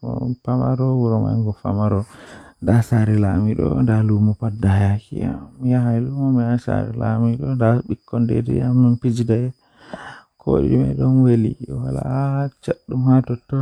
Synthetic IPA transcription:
ɔ̰pamaɾɔwuɾɔma̰ŋɡɔfamaɾɔdasaɾilamiɗɔ̰ndalumɔpadːajakia̰ːijaɦajlumɔmijasa̰ɾḭla̰miɗɔdaɓikːɔndḛdḭamːinpid͡ʒidajɛ | kʰo̰ɗḭmɛ̰ɗɔnweliwala̰t͡ʃaɗːumhatɔtːɔ

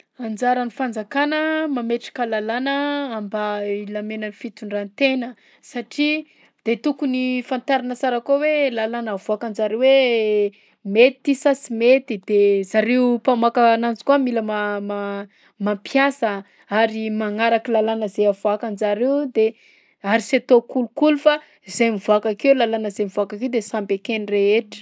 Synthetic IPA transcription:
and͡ʒaɾanifand͡zakanəmameʈ͡ʂḁkəlalanəambailamenənifit̪uɳɖ͡ʐant̪enə | saʈ͡ʂi | d̪̥et̪ukunifant̪aɾinəsaɾakowelalanavoakand͡zaɾewe | met̪ːisasimet̪id̪ezaɾeupamakanand͡zi̥kuamiləmama | mampjasə | aɾimaŋaɾakilalanəzeavoakand͡ʒaɾewd̪e | aɾiset̪okulukulufa | izejmivuakakewlalanəzejmivuakakewd̪esambekenireeʈ͡ʂə̥

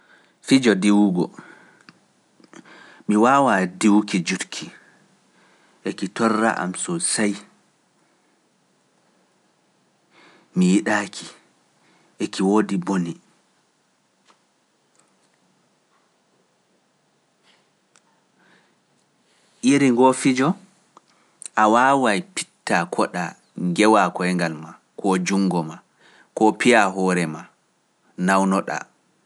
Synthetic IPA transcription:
fid͡ʒɔdiwuɡɔ̰ | miwawadiwkid͡ʒutkʰi | ʔekitɔrːa̰ʔa̰msɔsaj | mijiɗakʰi | ʔekiwoːdiboni | ʔiɾiŋɡofid͡ʒɔ | ʔawawajpi̥tːakʰɔɗa | ŋɡɛwakɔɛŋɡalma | kʰɔd͡ʒuŋɡɔma | kɔpijaɦɔːɾɛma | nawnɔɗa̰

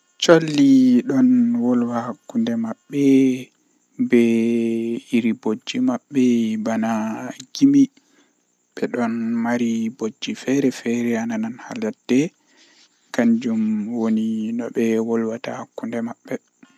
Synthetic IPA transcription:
t͡ʃolːiɗɔnwɔlwahakːundɛmaɓːɛ | bɛ | iɾibod͡ʒːimaɓːɛbanaɡimi | ɓɛɗɔnmaɾibod͡ʒːifɛɾɛfɛɾɛanananha̰ladɛ | kaɲd͡ʒumwoninɔɓɛwɔlwata̰hakːundɛmaɓːɛ

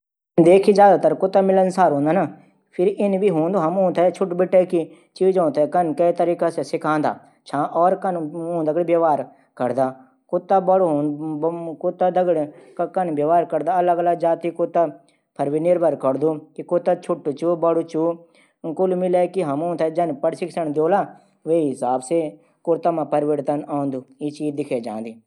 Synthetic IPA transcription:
ɪnd̪eːkʰid͡ʒjaːd̪aːt̪əɾkʊt̪ːaːmɪlənsaːɾɦõːnd̪aːna | pʰɪɾɪnbiːɦõːnd̪oːɦɐmõːnt̪ʰɛːt͡ʃʰʊʈbɪʈɛːki | t͡ʃiːd͡ʒõːt̪ʰɛːkənkəit̪əɾiːkasesɪkʰãːnd̪a̰ː | t͡ʃʰãːʔɔːɾkənõːd̪əɡɽbjəʋaːɾ | kəɾd̪aː | kʊt̪ːaːbəɽɦ̪ː | kʊt̪ːaːd̪əɡɽkənbjəʋaːɾkəɾd̪aːələɡələɡd͡ʒaːt̪iːkʊt̪aː | pʰəɾʋinɪɾbʱəɾkəɽd̪uːkikʊt̪at͡ʃʰʊʈːt͡ʃuːbəɽut͡ʃuː | kʊlmɪleːkiɦɐmõːt̪ʰɛd͡ʒɐnpəɽsɪkʰsəɳd̪joːlaː | ʋeiɦɪsaːbseː | kʊɾt̪amãːpəɾʋəɽt̪ənaːnd̪uːiːt͡ʃiːd̪ɪkʰeːd͡ʒã̰ːnd̪iː

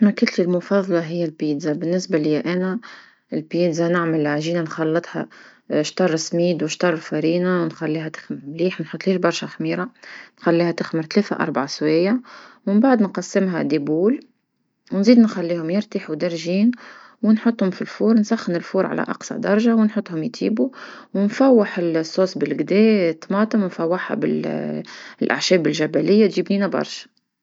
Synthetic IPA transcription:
mækɪlt̪ilmʊfɑðˤːɑlɑɦɪjːælbiːd̪zabɪnːɪsbalɪjʔænæ | ɪlpiːd̪zanɪʕməlʕaʒiːnanxɑlːɨt̪ˤhɑ̰ʃt̪ɑrˤːsmiːd̪wɪʃt̪ɑrˤːfæɾiːnawnxælːiːɦæt̪ɪ̥xmɪɾmliːħwnħʊt̪ˤːliːʃbɑɾˤʃaxmiːɾɑnxælːiːhæt̪ɪxmɪɾt̪leːθa̰ʔɑ̰ɾˤbʕasweːjːawmɪmbaʕd̪nqɑsːɪmɦæd̪ibuːl | wnziːd̪nxælːiːhʊmjɪɾt̪əħud̪ɪɾˤʒiːn | wɪnħʊt̪ˤːhʊmfilfuːɾnsɑxːɪnɪlfuːɾˤʕa̰læ̰ʔɑ̰qsˤɑ̰d̪ɑɾˤɑʒawnħʊt̪ːhʊmjt̪ʰḭːbuwnfæwːɪħɪlsˤːoːsbɪlɡd̪ɛːt̪ːmɑːt̪ˤəmwnfæwːaħha̰bɪ̰l | lʔa̰ʕʃɛːbɪlʒæbælɪjːat̪ʒiːbniːnabɑ̰ɾˤʃḁ

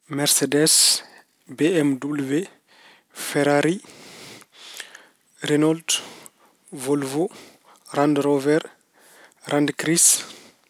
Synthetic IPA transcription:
mɛɾsɛdɛs | beɛmdubluve | fɛɾaɾi | ɾɛnɔld | volvo | randɾɔvɛɾ | ɾʔandkɾis

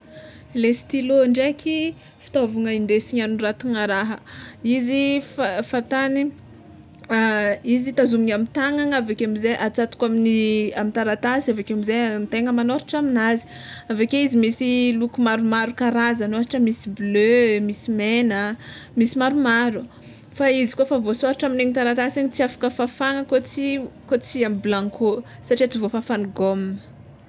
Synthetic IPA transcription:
lest̪iloɳɖ͡ʐekʲi | fi̥t̪ovuŋəind̪esiɲanuɾat̪iŋəɾaɦəiziffat̪ani | izit̪azumiɲamit̪aŋaŋavekeamizeʔat͡sat̪u̥kaminiamint̪aɾat̪asiavekamizent̪eŋəmanoɾiʈ͡ʂaminazi̥ | avekeizimisilukumaɾumaɾukaɾazanoaaʈ͡ʂəmisiblømisimenəmisimaɾumaɾu | faizikofavosaɾaʈ͡ʂamineŋit̪aɾat̪asaɲit͡siafḁkəfafaŋəkot͡sikot͡siamiblãŋkʰosaʈ͡ʂiat͡sivofafaniɡomnə̥

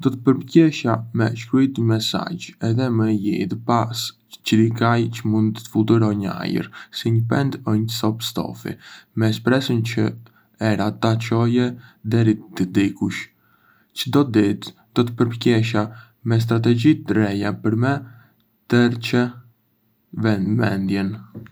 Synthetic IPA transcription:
d̪ɔt̪əpəɾpcɛʃamɛ̰ʃkɾujt̪mɛsa̰d͡ʒɛðɛmɛjḭðpas | t͡ʃəɾikajt͡ʃəmund̪ət̪ə̥fuld̪uɾɔɲəa̰jə̰ɾsiɲəpɛ̰nd̪əɲsɔpst̪ɔ̰fḭmɛspɾɛsənt͡ʃə | ɛɾat̪at͡ʃɔjɛd̪ɛɾit̪əd̪ikuʃ | t͡ʃəd̪ɔt̪̚d̪it̪d̪ɔt̪əpəɾpəcɛʃ̬a | mɛs̬t̪ɾat̪̬ɛɟit̪ɾɛjapəɾmɛ | t̪əɾt͡ʃə | vɛnd̪mɛ̰nd̪jɛn

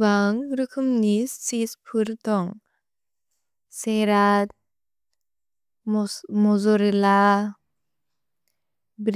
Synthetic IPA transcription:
baŋɾɯkʰɯmnissispʰɯɾt̪ɔŋ | seɾat̪̚ | mɔzɔɾela | bɾ

